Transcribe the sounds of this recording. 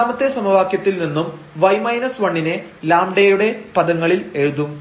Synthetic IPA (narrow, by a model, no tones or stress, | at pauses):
aːmɐt̪ːesɐmɐʋaːkjɐt̪ːilninːum | ʋɐjmɐjnɐsʋɐɳːine̞laːmɖejuɽe̞pɐðɐŋːɐɭile̞ɻuðu